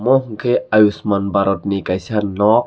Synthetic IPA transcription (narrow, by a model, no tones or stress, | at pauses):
mohŋ̩kʰeajusmanbaɾot̪̚nikajsanːɔk̚